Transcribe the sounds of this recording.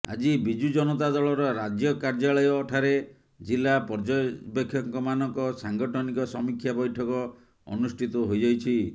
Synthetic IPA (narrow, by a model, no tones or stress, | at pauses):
a̰d͡ʒibid͡ʒud͡ʒɔnɔt̪ad̪ɔɭɔɾɔɾad͡ʒjɔkaɾd͡ʒaɭɔjɔːʈʰaɾe | d͡ʒilːapɔɾd͡ʒɔbekʰːjɔŋkɔmanɔŋkɔsaŋɡɔʈʰɔnikɔsɔmikʰjabɔjʈʰɔkɔ | ɔ̰nusʈʰit̪ɔɦojd͡ʒajt͡ʃʰi